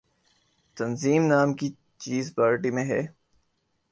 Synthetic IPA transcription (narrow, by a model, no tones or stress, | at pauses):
t̪ɐnziːmnaːmki | t͡ʃiːzpaːɾʈimẽɦɛː